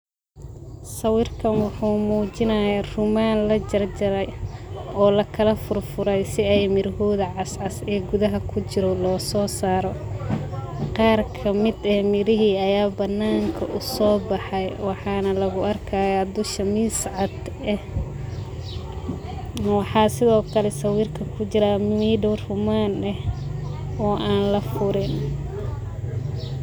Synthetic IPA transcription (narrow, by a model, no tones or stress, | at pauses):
sɐwɪrkʰɐnwʊħuːmuːt͡ʃɪnɐjarʊmaːnlɐd͡ʒɐrd͡ʒɐɾɛjɔːlɐkʰɐlɐfʊrfʊɾɛjsɪɛjmɪɾhuðɐʕɑsʕɑsɛːɡʊðɐɦɐkʰʊt͡ʃɪɾɔlɔːsɔːsaːɾɔ | qɑːrkʰɐmɪd̪ɛmɪɾɪɦiːɐjaːbɐnːaːŋkʰɐʔʊsɔːbɑħɑjwɑħɑːnɐlɐɣʊɐrkʰaːjad̪ʊʃɐmiːsʕɑd̪ | ɛh | wɑħɑːsɪðɔːkʰɐlɛsɐwiːrkʰɐkʰʊt͡ʃɪɾamɪniɖɔrhʊmaːnɛh | ɔːʔaːnlɐfʊɾɪn